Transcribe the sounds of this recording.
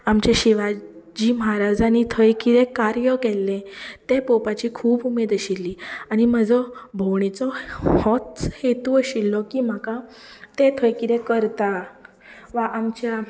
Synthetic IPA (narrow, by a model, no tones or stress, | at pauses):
amt͡ɕeɕiʋad͡ʑimɦaɾad͡zanit̪ʰəjkiɾekaɾjəkelːẽt̪epɔpat͡ɕiːkʰuːbumed̪əɕilːiːañim̤əd͡zɔbʱɔwɳit͡sɔhɔt̪t͡shet̪uəɕilːɔkiːm̤aka | t̪et̪ʰəjkiɾẽkəɾt̪a | ʋaʔamt͡ɕja